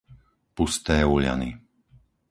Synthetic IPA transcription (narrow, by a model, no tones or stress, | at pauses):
pust̪ɛːuʎa̰ni